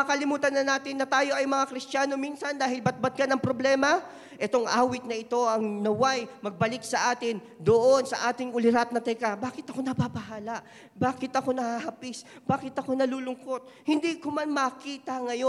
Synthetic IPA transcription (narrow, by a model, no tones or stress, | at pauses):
ɐkɐlɪmuːt̪ɐnːɐnaːt̪ɪnːɐt̪aːjo̞ʔɐjmɐŋakɾɪst̪aːno̞minsɐnd̪aːhɪlbɐt̪̚bɐt̪̚kɐnɐŋpɾoblɛːmɐ | ʔɛt̪o̞ŋʔaːwɪt̪̚nɐɪt̪o̞ʔɐŋnɐwajmɐɡ̚bɐlɪk̚sɐʔaːt̪ɪn | d̪oʔonsɐʔaːt̪ɪŋʊlɪɾat̪̚nɐt̪ɛkabaːkɪt̪ɐko̞nɐbabɐhaːlɐʔ | baːkɪt̪ɐko̞nɐhahɐpɪsb̥aːkɪt̪ɐko̞nɐluːlʊŋko̞t̪̚ | hɪnd̪ikomanmɐkiːt̪ɐŋɐjo